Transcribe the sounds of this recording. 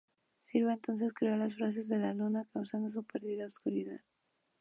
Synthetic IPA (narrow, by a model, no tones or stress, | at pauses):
siɾβeent̪ons̬eskɾealasfɾas̬ezðelalunakasand̪os̬upeɾðiðaowskuɾiða̰t̪̚